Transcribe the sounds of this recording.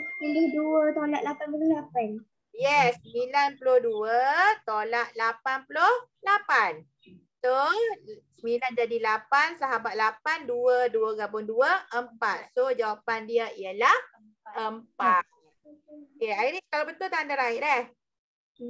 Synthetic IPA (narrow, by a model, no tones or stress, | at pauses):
pilɪhduət̪olaʔ̪̚lapanpullʊlapan | jɛsːəmilanpulohduət̪olaʔ̪̚lapanpulohlapan | so | səmiland͡ʒadilapansaɦabat̪̚lapanduəduəɡabʊŋduəʔəmpat̪̚sod͡ʒawapandiəiəlah | əmpat̪̚ | okeainikalabənt̪ʊlt̪aandaɾaɪʔdɛh